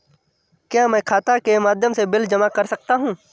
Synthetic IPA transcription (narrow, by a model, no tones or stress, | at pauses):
kjaːmɛ̃ːkʰaːt̪akemaːd̪ʱjəmsebɪld͡ʒɐmakɐɾsɐk̚t̪aɦũː